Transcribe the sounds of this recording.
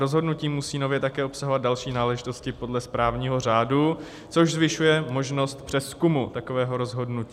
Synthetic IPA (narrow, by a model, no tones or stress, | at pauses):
ɾo̞zɦo̞dnuciːmusiːno̞vjɛt̪akɛːʔopsaɦovat̪d̪dalʃiːnaːlɛʒɪt̪o̞scɪpo̞dlɛspɾaːvɲiːɦo̞r̝aːdu | t͡so̞ʒzvɪʃujɛmo̞ʒno̞st̪pr̥ɛskumut̪akovɛːɦo̞ɾo̞zɦo̞dnuciː